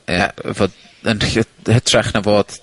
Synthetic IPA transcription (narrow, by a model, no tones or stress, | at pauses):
jɛ̰voːd | ənəhətʰrɛχnavoːd̥